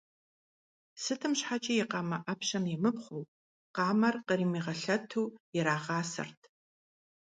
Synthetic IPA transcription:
sɨtʰɨmɕħat͡ʃʼɐjɪqɑːmɐʔɐpʃɐmjɛmɨpχʷow | qɑːmɐrqəɾiːmiːʁɐɬɐtʰuːɪɾaːʁɑːsɐ̰rtʰ

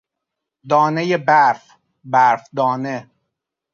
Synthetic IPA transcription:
d̪ɒːnejebæɾf | bæɾfd̪ɒːne

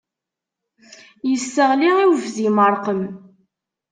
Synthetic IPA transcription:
jəsːəʁliʁiwvðiməɾˤqəm

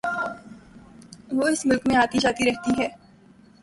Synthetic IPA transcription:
ʋoːɪsmʊlkmẽaːt̪id͡ʒaːt̪iɾɛɦt̪iɦɛː

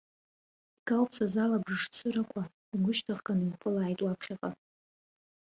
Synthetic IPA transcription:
iɡ̥alpʰsazalabʐʐt͡sʰɨɾakʷʰa | iɡʷʊʃtʰaʁkʼanɨnpʰʊlaːjtʼwapʰχʲaqʼa

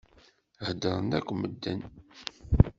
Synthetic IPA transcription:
həd̪əɾˤənækʷːməd̪ːə̰n

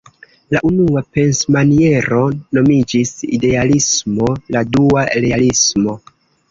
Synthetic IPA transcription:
laʔunuape̞nsmanie̞ɾo̞no̞mid͡ʒisḭde̞alismo̞laduaɾe̞alismo̞

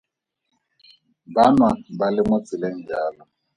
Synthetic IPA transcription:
banwabalɪmʊt͡sʼɪlen̩d͡ʒaːlɔ

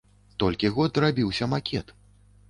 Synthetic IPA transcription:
t̪ɔlʲkʲiɣɔd̪ɾabʲiwsʲɐmakʲʰɛt̪

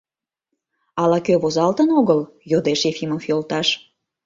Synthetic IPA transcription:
ɑlɑkøβozɑlt̪ənoɣəl | jod̪eʃefʲimofjolt̪ɑʃ

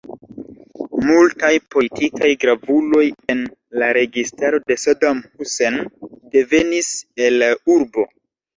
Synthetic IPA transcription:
multajpo̞litikajɡɾavulo̞je̞nlaɾe̞ɡistaɾo̞de̞sodamhuse̞nde̞ve̞niselauɾbo̞

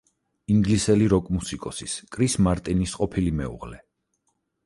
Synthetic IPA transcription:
iŋɡlisɛliɾɔkʼmusikʼɔsiskʼɾismaɾt̪ʼinisqʼɔpʰilimɛ̰ṵʁlɛ

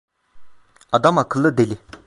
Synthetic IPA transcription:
ad̪amakʰələd̪eli

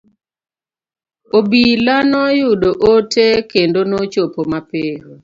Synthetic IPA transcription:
obilanɔjʊdoʔotekendonot͡ʃopomapeɦo

